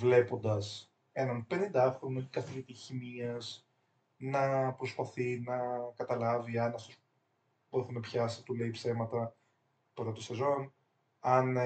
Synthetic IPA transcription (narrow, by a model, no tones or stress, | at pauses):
vle̞po̞nd̪ɐs | enɐnpe̞nind̪ɐxɾonokɐθivit̪içimiɐz | nɐpɾo̞spɐθinɐkɐt̪ɐlɐviɐnɐft̪os | boiθunɐpçɐsi̥t̪ule̞ipse̞mɐt̪ɐ | pɾot̪osezo̞n | ɐn